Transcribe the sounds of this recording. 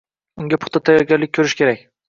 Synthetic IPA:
ʊŋɡʲapʰʊ̥χt̪ʰat̪ʰajɒɾɡʲaɾlɪk̚ʲkʰːɵɾɪʃkʲʰe̞ɾakʲ

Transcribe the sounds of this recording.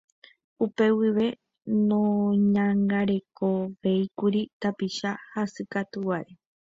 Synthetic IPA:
upe̞wiʋe̞ | nõɲãŋɡaɾe̞koʋe̞ikuɾit̪apiʃahasɨkat̪uwaʔe

